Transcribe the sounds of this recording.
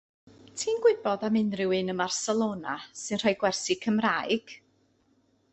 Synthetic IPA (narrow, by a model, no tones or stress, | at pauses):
tʰiːnɡwɪbɔdamɪnrɪwɨnəmarsɛlˠoːnasɨnr̥ajɡwɛrsɪkʰəmraːɨɡ̥